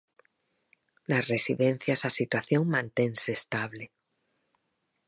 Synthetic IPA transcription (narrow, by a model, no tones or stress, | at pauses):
nasresiðẽnθjasasit̪waθjoŋmãnt̪enseːst̪aβle